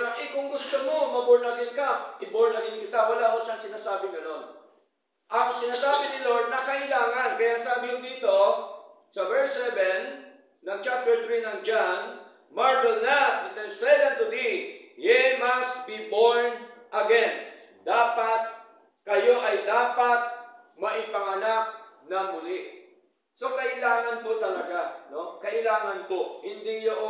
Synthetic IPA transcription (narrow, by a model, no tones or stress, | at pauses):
oʔɪkʊŋɡʊst̪omo̞mɐboɹnɐɡɪŋkɐʔɪboɹnɐɡɪŋkɪt̪awɐlamoʃɐŋsɪnaːsaːbɪŋɡɐno̞n | ʔɐŋsɪnaːsaːbɪnɪloɹd̪̚nɐkɐʔɪlaːŋɐnkɐjaŋsaːbɪjʊŋd̪iːt̪o̞ | sɐvɛɹsɛvɛnː | ɐŋt͡ʃap̚t̪ɛɹt̪ɹinɐŋd͡ʒan | maɹvɛlnat̪ɛnd̪ɛnsɛvɛnt̪ʊbihɪmɐst̪̚biboɹnʔɐɡɛn | d̪aːpɐt̪̚ | kɐjo̞ʔɐjd̪aːpɐt̪̚ | mɐʔɪpɐŋɐnak̚nɐmʊlɪ | so̞kɐʔɪlaːŋɐnpot̪ɐlɐɡano̞kɐʔɪlaːŋɐnpo̞hɪnd̪ɪjoʔo